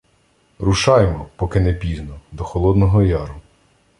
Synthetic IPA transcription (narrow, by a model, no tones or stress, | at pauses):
ɾuʃɑjmɔpɔkɪnɛpʲiznɔd̪ɔxɔlˠɔd̪nɔɦɔjɑɾʊ